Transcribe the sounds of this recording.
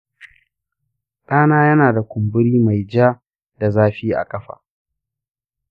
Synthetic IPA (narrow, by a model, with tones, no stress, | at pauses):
ɗaː˦naː˦jɐ˦naː˨da˨kʷʊ˨mbʊ˦ɽiː˦ma˨jd͡ʒaː˦ | da˨zaː˦ɸiː˦ʔa̰˨kʼɐ˦ɸa̰ː˨